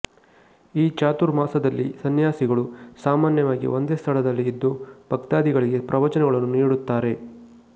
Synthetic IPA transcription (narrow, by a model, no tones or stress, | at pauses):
iːt͡ʃaːt̪uɾmaːsɐd̪ɐlːḭsɐnjaːsiɡɐɭusaːmaːnjɐʋaːɡḭʔo̞nd̪eːst̪ʰɐɭɐd̪ɐlːiːd̪ːub̥ɐkt̪aːd̪iɡɐɭiɡe̞pɾɐʋɐt͡ʃɐnɛɡɐɭɐnːunniːɽut̪ːaːɾe̞